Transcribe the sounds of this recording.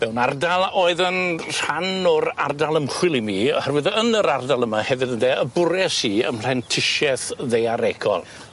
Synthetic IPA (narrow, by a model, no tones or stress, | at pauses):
m̥ɛwnardalˠoːɨðənr̥anɔɾardalˠəmχwɪlˠimiːɔhɛrvɨðənəɾardalˠəmahɛvɨdəndɛəbʊɾɛsiːə̰ml̥ɛntʰɪʃɛθðejaɾɛɡʰɔ̰lˠ